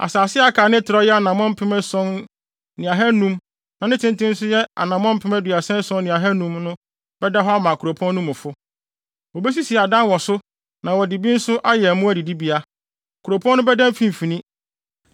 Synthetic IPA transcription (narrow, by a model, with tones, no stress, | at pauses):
a̰˨saː˨sɪ˦a˦kʰaː˨nɪ̃˦tʰɪ˨ɾɔ˦jɛ˦a˨nã˨m˦ɔ̃˦m˦pʰɪ˦mɛ̃˦sɔ̃˦n | nɪ̃˨a˨ɦɛ˦nũ˦m | nã˨nɪ̃˦tʰɪ̃˦n˦tɪ̃˦n̩˦sʊ˦jɛ˦a̰˨nã˨m˦ɔ̃˦m̩˦pʰɪ̃˦mæ˦dʊ˨a˨sɛ̃˦n˦sɔ̃˦nːɪ̃˨a˨ɦɛ˦nũ˦mnʊ̃˦ | b̥ɛ˦da˦ɦɔ˦a˦mã˨kʰu˨ɾo˨pʰɔ̃˦nː˦ʊ̃˦mʊ̃˨fʊ˦ | wɔ˨be˦s̬i˦si˨ɛ˨a˨dã˦nwɔ˨sʊ˦ | nã˨wɔ˨di˨bi˦n̩˦sʊ˦ʔa˦jɛ˨mʊ̃˦æ˦di˨di˦bi˦a˦ | kʰu˨ɾo˨pʰɔ̃˦nːʊ̃˦bɛ˦dã˦m̩˦fĩ˨m̩˨fĩ˨nĩ˦